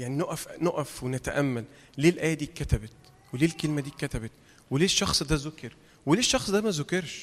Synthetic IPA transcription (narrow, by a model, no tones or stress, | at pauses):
jaʕninoʔæfnoʔæfwenæt̪æʔæmːælː | eːlʔæjæːd̪iːkæt̪æbet̪ | weleːlkelmæd̪iːkːæt̪æbet̪ | weleːʃːɑxsˤd̪æzokeɾ | weleːʃːɑxsˤd̪æːmæzokeɾʃ